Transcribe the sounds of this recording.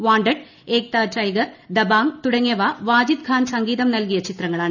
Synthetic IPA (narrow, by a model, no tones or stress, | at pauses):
ʋaːɳɖɐɽ | eːk̚t̪aːʈɐjɡɐrd̪ɐbaːŋt̪uɽɐŋjɐʋaːʋaːd͡ʑid̪̚kʰaːnsɐŋɡiːðɐmnɐlkijɐt͡ɕit̪rɐŋːɐɭaːɳ